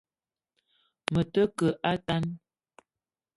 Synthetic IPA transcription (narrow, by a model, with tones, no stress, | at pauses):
mə˨tə˦kə˨ʔa˦ta˦n